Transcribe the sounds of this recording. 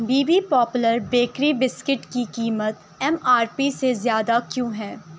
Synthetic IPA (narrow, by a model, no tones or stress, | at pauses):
biːbipɔːpʊləɾbeːkɾibɪskɪʈkikiːmət̪ | ɛmaːɾpisezjaːd̪akjõːɦɛ̃ː